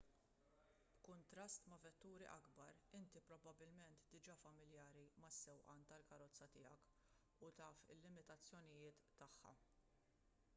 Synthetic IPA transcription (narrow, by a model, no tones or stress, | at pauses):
b̥kʊnt̪ɾɐst̪mɐvɛt̪ːuːɾḭʔɐɡbɐɾɪnt̪ipɾɔbɐbɪlmɛnt̪d̪ɪd͡ʒɐːfɐmɪljɐːɾimɐsːɛwʔɐːnt̪ɐlkɐɾɔt͡sːɐt̪ɪːjɐk | ʊt̪ɐːfɪlːɪmɪt̪ɐt͡sːjɔnɪjɪːt̪ːɐħːɐ̰